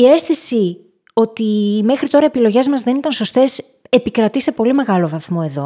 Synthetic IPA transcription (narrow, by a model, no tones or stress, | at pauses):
ie̞sθisi | o̞t̪ime̞xɾit̪o̞ɾɐepilo̞ʝe̞zmɐzðe̞nit̪ɐnso̞st̪e̞s | e̞pikɾɐt̪ise̞po̞lime̞ɣɐlo̞vɐθmo̞e̞ðo̞̰